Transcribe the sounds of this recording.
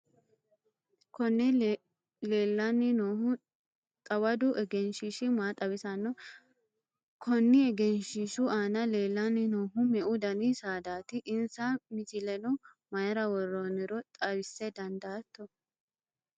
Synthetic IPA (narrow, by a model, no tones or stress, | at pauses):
kɔnːɛ | leːlːɐnːɪnoːhʊ | t̪ʼɐwɐd̪ʊʔɛɡɛnʃɪʃɪmaːt̪ʼɐwɪsɐnːɔ | kʰɔnːɪɛɡɛnʃiʃʊaːnɐle̞ːlːɐnːɪnoːɦʊmɛʔʊd̪ɐnisaːd̪aːt̪ɪʔɪnsamɪt̪ɪlɛnʊ | mɐjɐɾɐwɔrːoːnɪɾɔt̪ʼɐβɪsːɛd̪ɐnd̪ɐːt̪ːɔ